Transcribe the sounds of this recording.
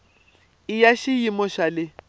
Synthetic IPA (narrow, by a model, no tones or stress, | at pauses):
ɪjaʃijimɔʃalɪ